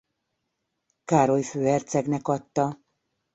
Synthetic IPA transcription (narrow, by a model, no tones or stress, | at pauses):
kaːɾo̞jføːɛrt̪sɛɡnɛkɒt̪ːɒ